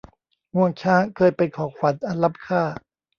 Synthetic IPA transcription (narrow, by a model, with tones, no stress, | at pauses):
ŋu˧˩əŋt͡ɕʰaː˦˥˩kʰɤː˧jpa˧jkʰɔː˨˩˦kʰwa˨˦nʔa˧nla˦˥p̚kʰaː˥˩